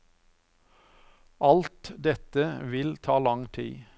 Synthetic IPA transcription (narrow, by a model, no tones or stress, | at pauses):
ʔɑlt̪d̪ɛt̪əʋɪlt̪ʰɑːlɑŋt̪ʰḭː